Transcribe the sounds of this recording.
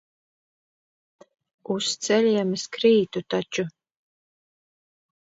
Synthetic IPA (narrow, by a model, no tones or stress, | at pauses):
ust̪sɛlʲiɛmɨskɾiːt̪ut̪at͡ʃu